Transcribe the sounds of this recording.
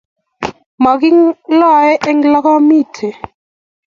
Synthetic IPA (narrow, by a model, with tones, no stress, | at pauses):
ma˨ki˦ŋla˦˨jɛ˦ʔɛ˦ŋ˦la˦ka˦mi˦˨tʰɛ˨